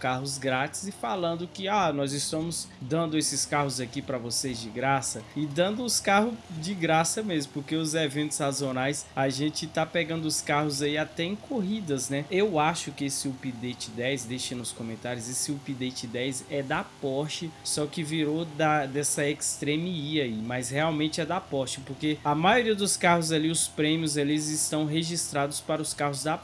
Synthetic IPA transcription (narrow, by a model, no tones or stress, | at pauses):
kaɦʊzɡɾat͡ʃɪ̥zɪfalɐ̃nd̪ʊkɪanɔzɪst̪ɐ̃mʊzd̪ɐ̃nd̪ʊesɪskahʊzakipɾɐvosezd͡ʒɪɡɾasɐɪd̪ɐ̃nd̪ʊʊskaɦʊd͡ʒɪɡɾasɐmezmʊpoɾkeʊzevẽnt̪ʊ̥sazonajsaʒẽt͡ʃɪt̪apɛɡɐ̃nd̪ʊʊskahʊzaiat̪ɛẽkʰoɦid̪ɐznɛewaʃʊkɪesɪupid̪et͡ʃɪd̪ɛjsd̪ejʃẽnʊskõmẽnt̪aɾjʊzesɪupid̪et͡ʃɪd̪ɛjzɛd̪apɔɾt͡ʃɪsɔkɪviɾod̪ɐd̪ɛsɐekst̪ɾẽmiiaimɐsheawmẽnt͡ʃɪɛd̪ɐpɔɾt͡ʃɪpoɾkeɐmajoɾiɐd̪ʊskahʊz̬aliʊspɾẽmiʊzelɪzɪst̪ɐ̃w̃ɦeʒist̪ɾad̪ʊspaɾɐʊskaɦʊzd̪a